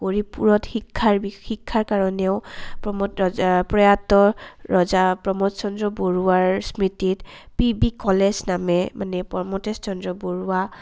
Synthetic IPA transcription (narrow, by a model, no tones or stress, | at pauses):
koɹipuɹɔtxikʰːaɹbixikʰːaɹkaɹɔnɛʊpɔmɔpɹɔjatɔɹɔzapɹɔmɔtsɔndɹɔboɹuaɹsmititpibikɔleznamɛmanɛpɔmɔtest͡ʃɔndɹɔboɹua